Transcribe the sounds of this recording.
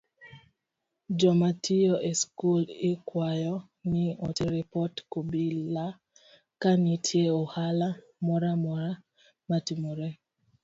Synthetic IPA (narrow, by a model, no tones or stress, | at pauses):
d͡ʒɔmatijoʔeskulɪkwajɔ | nɪɔtiɾipɔtkobila | kanitʰjeɔhala | mɔɾamɔɾa | matimoɾɛ